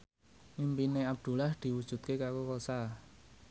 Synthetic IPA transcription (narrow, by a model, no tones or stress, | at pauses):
mimpineab̚d̪̥ṳlahd̪̥i̤wud̥ʒ̥ṳt̪̚kekakokosa